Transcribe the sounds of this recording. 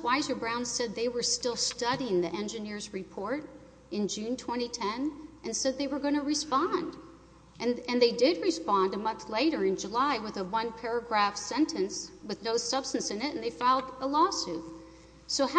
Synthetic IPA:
waɪzə˞bɹãʊ̃nz̥sɛd̪̚ðeɪwə˞stɪlˠstʌɾiɪ̃ŋðiʔɛ̃nd͡ʒɨnɪɹzɹɨpʰɔɹɾ | ɨ̃nd͡ʒʉ̃ntʰw̥ɛ̃ɾ̃itʰɛ̃nʔɨ̃nsɛd̪̚ðeɪwə˞ɡõnɨɹɨspɑ̃nd | ʔɨ̃nɨ̃nðeɪdɪd̚ɹɨspɑ̃ndəmʌ̃nθleɪɾə˞ɨ̃nd͡ʒəlaɪwəðəwʌ̃npʰɛɹɨɡɹæfsɛ̃ntʰɨ̃nswɨðnoʊsʌb̥stn̩sɨ̃nɪɾɨ̃nðeɪfaɪl̩ˠdəlɔsʉ | soʊh

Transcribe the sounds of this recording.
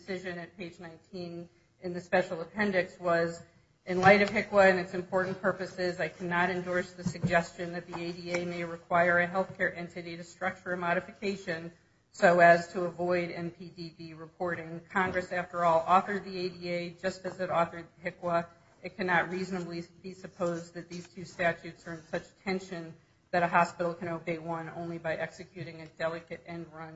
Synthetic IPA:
sɪʒɨ̃nɨt̚pʰeɪd͡ʒnãɪ̃ntʰĩn | ɨ̃nðɨspɛʃl̩ˠəpʰɛ̃ndɨkswʌz | ɨ̃nlaɪɾʌv̥ɦɪkwəɨ̃nɨtsɨ̃mpʰɔɹʔn̩pʰɜ˞pɨsɪzaɪkʰænəɾɨ̃ndɔɹsðɨsɨɡ̚d͡ʒɛst͡ʃɨ̃nðɨt̪̚ðieɪdieɪmeɪɹɨkʰw̥aɪə˞ɨɦɛlˠθkʰɛɹʔɛ̃ntɨɾiɾɨ̥stɹ̥ʌk̚t͡ʃə˞ɨ̃mɑɾɨfɨkʰeɪʃɨ̃n | soʊɨz̥tʰəəvɔɪɾɛ̃mpʰidibiɹɨpʰɔɹɾɪ̃ŋkʰɑ̃ŋɡɹɨsæftə˞ɔlˠʔɔθə˞d̪̚ðieɪdieɪd͡ʒʌstɨzɨɾɔθə˞d̪̚ðɦɪkwə | ɨt̚kʰænɑt̚ɹiznəblib̥isɨpʰoʊzðɨt̪̚ðiz̥tʰʉstæt͡ʃʉtsə˞ɨ̃nsʌt͡ʃtʰɛ̃nʃɨ̃n | ðɨɾɨɦɑspɪɾl̩ˠkʰɨ̃ñoʊbeɪwʌ̃nõ̰ʊ̃nlibaɪʔɛksɨkʰj̥ʉɾɪ̃ŋɨdɛlˠɨkɨɾɛ̃ndɹʌ̃n

